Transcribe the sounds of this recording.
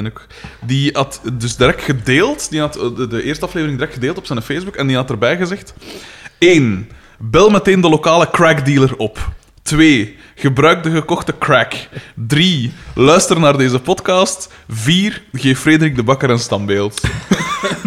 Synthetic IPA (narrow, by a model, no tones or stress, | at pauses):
nok | diɑtdʏzdəɾɛk̚txədeːlˠtd̥iɦɑtdəʔeːrstəɑfleːvəɾɪŋdəɾɛktxədeːlˠtɔ̥psɛnfeːzbukɛndiɦɑtərbɛjɣəzɛxt | eːn | bɛlˠmɛteːndəlokaːləkrɛɡdiːlərɔp | tweː | ɣəbɾœːɥɡ̚dəɣəkɔxtəkrɛkdrilœːɥstərnaːrdeːzəpɔtkɑːst | viːrɣeːfːrɾeːdəɾiɡ̚dəbɑkəɾənstɑmbeːlˠt